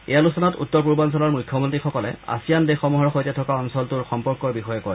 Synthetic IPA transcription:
ɛ̰jalusɔnɔtṵtːɔɹpuɹbans̬ɔlɔɹmujkʰːjɔmɔntɹixɔkɔlɛ̰a̰sijandexɔmɔɦɔɹxojtɛtʰɔkaɔnsɔltʊɹxɔmpɔɹkɔɹbixɔjɔkɔɹɛ

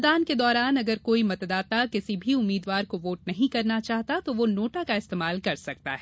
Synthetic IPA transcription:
d̪aːnked̪ɔːɾaːnɐɡəɾkoːimɐt̪d̪aːt̪akɪsibʱiʊmːiːd̪ʋaːɾkoʋoːʈ̚nɐɦĩkɐɾnat͡ʃaːɦt̪at̪oʋonoːʈakaɪst̪eːmaːlkɐɾsɐk̚t̪a̰ɦɛː

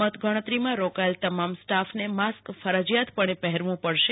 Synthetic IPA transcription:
ət̪ɡəɽ̃ət̪ɾimãɾokaelt̪əmamsʈafnemaskfʰəɾəd͡ʒjat̪pəɳ̃epɛɦɛɾʋũpəɽʃe

